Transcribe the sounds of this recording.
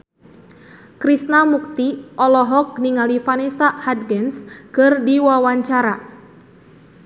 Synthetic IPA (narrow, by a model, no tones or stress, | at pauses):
kɾisnamuk̚t̪iʔɔlɔɦɔk̚niŋalifanesahad̪̚ɡɛnskɨrdiwawaɲt͡ʃaɾa